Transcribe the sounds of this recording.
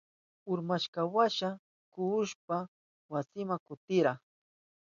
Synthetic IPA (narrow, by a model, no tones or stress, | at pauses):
ʊɾmaʃkawaʃa | kʊʊʃpa | wasɪmaŋkʊt̪ɪɾa